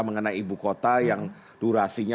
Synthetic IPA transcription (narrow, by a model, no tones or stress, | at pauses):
məŋənajibukot̪ajaŋ | d̥uɾasiɲa